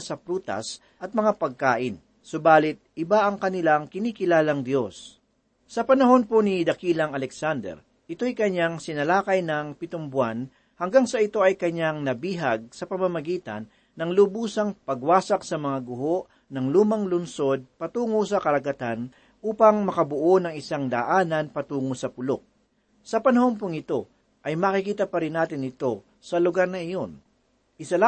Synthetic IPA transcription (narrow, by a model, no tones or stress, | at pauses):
sɐpɾuːt̪ɐ̰s | ʔɐt̪̚mɐŋapɐɡ̚kaːʔɪn | sobaːlɪt̪̚ʔɪbaʔɐŋkɐnɪlaŋkɪniːkɪlaːlɐŋd̪jo̞s | sɐpɐnɐho̞nponid̪ɐkiːlɐŋɐlɛksand̪ɛ̰ɾ | ʔɪt̪o̞jkɐɲaŋsɪnɐlaːkɐjnɐŋpɪt̪ombwan | hɐŋɡaŋsɐɪt̪o̞ʔɐjkɐɲaŋnɐbiːɦɐɡ̚sɐpɐmamɐɡiːt̪ɐ̰nː | ɐŋlʊbuːsɐŋpɐɡwaːsɐk̚sɐmɐŋaɡʊɦoʔ | nɐŋluːmɐŋlʊnso̞d̪̚pɐt̪uːŋos̬ɐkɐɾɐɡɐt̪an | ʔuːpɐŋmɐkɐbʊʔo̞nɐŋɪsaŋd̪ɐ̰ʔaːnɐnpɐt̪uːŋosɐpʊlok̚ | sɐpɐnɐho̞np̬ʊŋɪt̪o̞ | ʔɐjmɐkɪkiːt̪ɐpɐɾɪnːaːt̪ɪnɪt̪o̞ | sɐlʊɡaɾnɐʔɪjo̞n | ʔɪsɐla